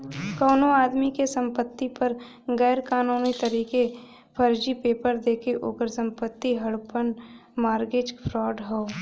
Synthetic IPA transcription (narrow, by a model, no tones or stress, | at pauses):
kɐːnoaːd̪mikesə̃mpət̪ːipəɾ | ɡɛːɾkaːnuːnit̪əɾiːke | pʰəɾd͡ʒipeːpəɾd̪eːkʰeʔoːkəɾsə̃mpət̪ːiɦɐɽpənmaːɾɡɪd͡ʒpʰɾɔːɖɦoː